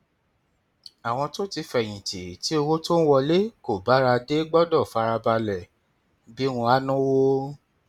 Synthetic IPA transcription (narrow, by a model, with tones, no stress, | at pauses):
a˨w̃ɔ̃˧to˦ti˧fɛ˨j̃ĩ˨te˨ti˨˦o˧wo˦to˦n̩˦wɔ˧le˦ko˦˨ba˨˦ɾa˧de˦ɡ͡bɔ˦dɔ˦˨fa˨˧ɾa˧ba˧lɛ˨ | bi˦wũ˧˦a˦nũ˦wo˦